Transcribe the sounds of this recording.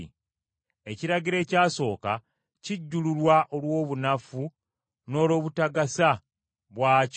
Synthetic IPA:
e̞ciɾaɡiɾe̞ːcaːso̞ːka | ciɟːululwaʔo̞lwo̞ːβunafu | no̞ːlo̞ːβutaɡasa | βwaːc

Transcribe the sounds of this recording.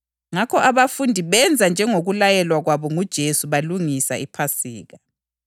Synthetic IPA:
ŋakʰɔʔaβafundʱiβɛnd͡zʱand͡ʒʱɛŋoɣulajɛlwaɣwaβɔŋud̥ʒ̥ʱesuβaluŋisa̰ipʰasiːɣa

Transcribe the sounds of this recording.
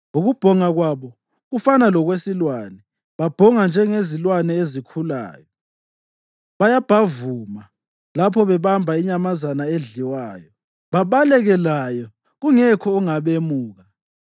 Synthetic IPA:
uɣub̥ʱɔŋaɣwaβɔ | ɣufanalɔɣwesilwaːnɛ | βab̥ʱɔŋand͡ʒʱɛŋezilwanɛezikʰula̰ːjɔ | βajab̥ʱavuma | lapʰɔβɛβambʱaiɲamazanaeɮiwaːjɔ | βaβalɛɣɛlajɔ | ɣuŋɛkʰɔːŋaβemuːɣa

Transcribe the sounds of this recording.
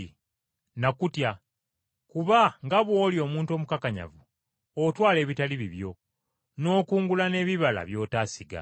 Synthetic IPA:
nakutja | kuβaŋɡaβwo̞ːljo̞ːmuːntuomukakaɲa̰vu | otwaːle̞ːβitaliβiβjo | no̞ːkuːŋɡulane̞ːβiβala̰βjo̞ːtaːsiɡa̰

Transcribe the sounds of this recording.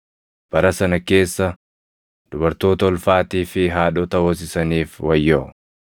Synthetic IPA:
b̥ɐɾɐsɐnɐke̞ːsːɐ | d̪̥ʊbɐɾt̪o̞ːt̪ɐɔlfaːt̪iːfɪɦaːɗɔːt̪ɐwoːs̬ɪsɐniːfwɐjːoː

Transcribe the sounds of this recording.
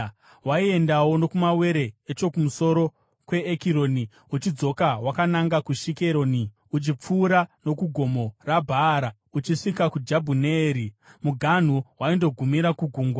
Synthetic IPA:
waie̞ndawo̞no̞kumawe̞ɾe̞ːt͡ʃo̞kumuso̞ɾo̞ | kwe̞ːkiɾo̞ni | ut͡ʃid͡zo̞kawakanaŋɡakuʃike̞ɾo̞ni | ut͡ʃip͡fuːɾano̞kuɡʱo̞mo̞rabʱaːɾa | ut͡ʃiʂikakud͡ʒabʱuneːɾimuɡʱan̤uwaindo̞ɡʱumiɾakuɡʱuːŋɡwa

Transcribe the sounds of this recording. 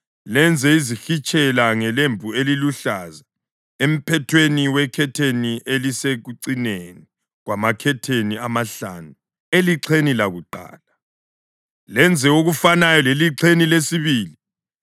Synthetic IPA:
lɛnd͡zʱɛizixit͡ʃʼɛlaŋɛlembʱueliluɬaza | em̩pʰɛtʰweniwɛkʰɛtʰeniʔeliseɣuǀineni | ɣwamakʰɛtʰeniamaɬa̰nu | eliǀʰenilaɣuǃa̰ːla | lɛnd͡zʱɛoɣufanajɔleliǁʰenilesiβiːli

